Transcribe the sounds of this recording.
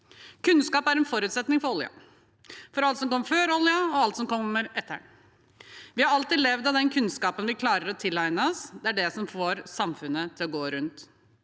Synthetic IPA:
kʰʉnskɑːpæɾɛnfɔɾʉːt̪sɛt̪nɪŋfɔɾɔljɑ̰ | fɔɾɑlt̪sɔmkɔmːəføːɾɔljəɔɑlt̪sɔmkɔmːəɾɛt̪ːə̰ | ʋɪhɑɾɑlt̪ɪːd̪lɛʋd̪ɑʋd̪ɛnkʰʉnskɑːpənʋɪkʰlɑːɾəɾɔt̪ʰɪlːæɪnəɔsd̪ɛæɖɛsɔmfoːɾsɑmfʉnːət̪ʰɪlɔɡoːɾʉnt̪

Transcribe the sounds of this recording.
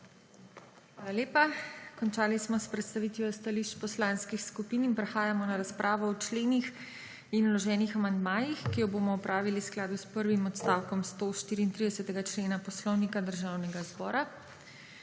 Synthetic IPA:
xʋaːlaljeːpakɔnt͡ʃaːlismɔspɾɛt̪st̪aʋiːt̪ʋiɔst̪aliʃt͡ʃpɔslanskixskupiːninpɾɛxaːjamɔnaɾaspɾʔaːʋɔɔt͡ʃleːnix | inulɔʒɛːnixamand̪maːjixkijɔboːmɔɔpɾʔaːʋilisklaːd̪uspəɾʋimɔt̪st̪awkɔmst̪oʃt̪iːɾiːnt̪ɾid̪ɛsɛt̪ɛɡat͡ʃleːnapɔslɔwnikad̪əɾʒawnɛɡazbɔ̰ːɾa

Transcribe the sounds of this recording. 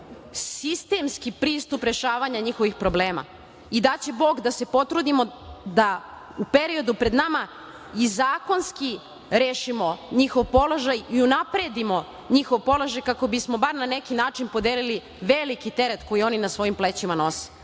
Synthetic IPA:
sist̪e̞mskipɾiːst̪upɾe̞ʃaːʋaɲaɲixo̞ʋixpɾo̞bleːma̰ | id̪at͡ɕe̞bo̞ːɡd̪ase̞po̞t̪ɾud̪imo̞d̪a | upe̞ɾio̞d̪upɾe̞d̪nama | izaːko̞nski | ɾeːʃimo̞ɲixo̞ʋpo̞loʒajiunapɾe̞d̪imo̞ | ɲixo̞ʋpo̞lo̞ʒajkako̞bismo̞baɾnane̞kinaːt͡ʃinpod̪eːlili | ʋelikit̪e̞ɾet̪ko̞jio̞ninasʋo̞jimplet͡ɕimano̞se̥

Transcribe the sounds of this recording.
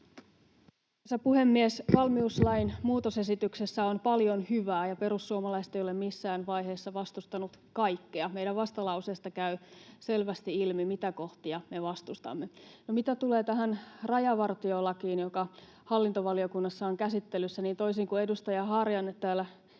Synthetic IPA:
sæpuhe̞mːiesʋɑlmiuslɑinmuːt̪ose̞sit̪yksesːæonpɑljo̞nhyʋæːjɑpe̞ɾusːuomɑlɑist̪ejole̞mmisːæːnʋɑjɦe̞ːsːɑʋɑst̪ust̪ɑnut̪kɑjkːeɑmejɾæʋʋɑst̪ɑlɑusest̪ɑkæyse̞lʋæst̪iilmimit̪æko̞ht̪iɑme̞ʋɑst̪ust̪ɑ̰mːenomit̪æt̪ule̞ːt̪æɦænrɑjɑʋɑrt̪ioːlːɑkiːnjokɑ | hɑlːint̪oʋɑliokunːɑsːɑoŋkæsit̪ːelːysːæniːnt̪o̞isiːŋkue̞dust̪ɑjɑɦɑrjɑnet̪ːæːlːæ

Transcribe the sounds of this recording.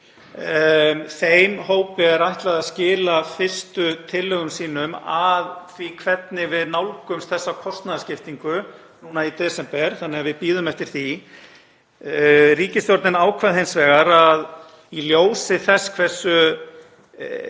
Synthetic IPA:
θejmɦoːwpɪɛɾajht̪laðaðscɪːlafɪr̥st̪ʏt̪ʰɪlːʏɣʏmsiːnʏmaðθvikʰvɛt̪nɪvɪðnawlkʏmsθɛsːakʰɔst̪naðascɪft̪iŋkʏ | nuːnait̪ɛsɛmpɛɾ̥θanːɛavɪðpiːðʏmɛft̪ɪɾ̥θi | riːcɪst̪jɔɾt̪nɪnaːwkʰvaðɦejnsvɛːɣaɾað | iljoːwsɪθɛskʰv̥ɛ̥sːʏ

